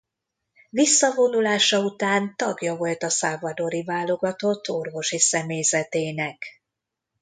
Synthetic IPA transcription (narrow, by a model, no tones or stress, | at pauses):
visːɒvo̞nulaːʃɒut̪aːnt̪ɒɡjɒvo̞lt̪ɒsaːvɒd̪o̞ɾivaːlːo̞ɡɒt̪o̞t̪ʰːo̞rvo̞ʃisɛmeːjzɛt̪eːnɛk